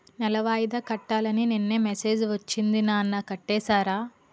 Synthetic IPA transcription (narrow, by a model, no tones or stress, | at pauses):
nɛlɐʋaːjd̪ɐkɐʈːaːlɐninenːeːmese̞ːd͡ʒʋɐt͡ʃːind̪inaːɐnːɐkɐʈːɛːsaːɾaː